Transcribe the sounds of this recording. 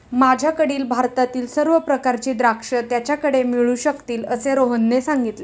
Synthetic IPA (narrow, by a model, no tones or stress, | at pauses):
mad͡ʑʱjakəɽiːlbʱaɾt̪at̪iːlsəɾʋəpɾəkaɾt͡ɕiːd̪ɾakʂət̪jat͡ɕjakəɽemiɭuːɕəkt̪iːləseɾoɦənːesaŋɡit̪le